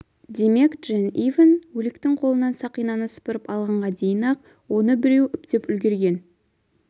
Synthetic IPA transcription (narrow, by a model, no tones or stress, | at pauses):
d̪e̞me̞kdʒ̥enivənwɵlɪkt̪ɪŋqʰo̞lˠənɑnsɑqijnɑnəsə̥pəɾəpɑlˠʁɑɴʁɑd̪e̞jənɑq̚ | wo̞nəbɪɾe̞wʏpt̪epʏlɡʲe̞ɾɡʲe̞n